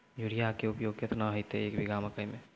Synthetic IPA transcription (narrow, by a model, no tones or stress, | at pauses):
juɾijakeupjoɡ̚ket̪naɦojt̪eeːkbʱiɡaməkəjme